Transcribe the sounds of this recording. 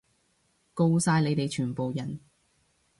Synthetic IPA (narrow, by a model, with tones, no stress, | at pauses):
ko˧wsaː˧jle˨˧jt̪e˨jt͡ʃʰyː˨˩npo˨wjɐ˨˩n